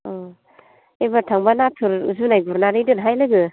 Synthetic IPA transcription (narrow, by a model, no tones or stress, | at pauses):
ɔ | ebatʰaŋbanatʰɯɾɯ̰zunajɡuɾnaɾɯjdɯnɦajlɯɡɯ